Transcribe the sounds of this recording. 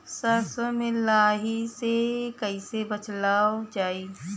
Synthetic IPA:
səɾsəmẽlaːɦisekəisebət͡ʃlaːod͡ʒaːi

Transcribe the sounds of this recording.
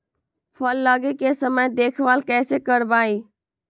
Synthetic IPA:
fʰəlːaːɡeːkeːsəməjd̪eːkʰʋaːlkɛːseːkəɽbaːiː

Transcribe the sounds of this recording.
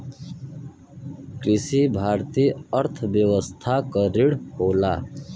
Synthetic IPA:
kɾɪsiːbʱaːɾt̪iːəɾt̪ʰʋjəʋəst̪ʰakəɾiɽhoːla̰ː

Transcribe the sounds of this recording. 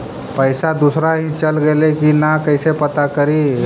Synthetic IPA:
pəɪsad̪usɾaɦĩt͡ʃəlɡelekinakəɪsepət̪akəɾi

